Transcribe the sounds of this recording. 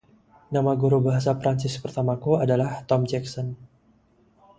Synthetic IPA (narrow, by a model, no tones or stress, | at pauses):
namaɡuɾubaɦasapɾaɲt͡ʃɪspərt̪amakuadalaht̪ɔmd͡ʒɛksɔn